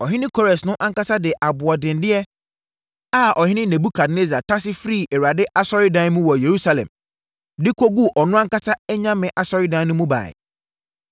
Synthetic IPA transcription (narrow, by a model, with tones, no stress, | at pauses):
ɔ˨ɦɪ̃˦nɪ̃˦kʰɔ˦ɾɛ˨snʊ̃˦ʔã˦ŋ̩˦ka˦sa˦dɪ˨ʔa˨bʊ˨a˨dɪ̃˨n˦dɪ˦ɛ˦ | a˦˨ʔɔ˨hɪ̃˦nɪ̃˦næ̃˨bu˦kʰa˨dne˦za˨tʰa˦sɪ˦fɾi˦˨ʔɛ˨ɾa˨dɪ˦ʔa˦sɔ˦ɾɪ˦dã˦n˦mũ˦wɔ˨je˨ɾu˦sa˨lɛ̰̃˨m | dɪ˦kʰo˦ɡu˦ʔɔ˨nʊ̃˦ã˦ŋka˦sa˦ɛ˦ɲã˦mɪ̃˨ʔa˨sɔ˦ɾɪ˦dã˨˦n˦nʊ̃˦mũ˦ba̰ː˨ɪ̰˨